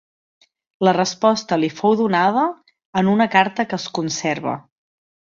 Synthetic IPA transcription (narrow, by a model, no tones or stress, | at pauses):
lərəspɔst̪əlifowðunaðəː | nunəkaɾt̪əkəːskunsɛɾβ̞ə̰